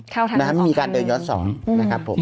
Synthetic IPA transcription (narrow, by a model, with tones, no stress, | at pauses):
na˥˧a˥ma˥˩jmiː˧kaː˧ndɤː˧njɔː˦˥nsɔ̰ː˩˦ŋna˦˥kʰa˦˥pʰːo˩˦m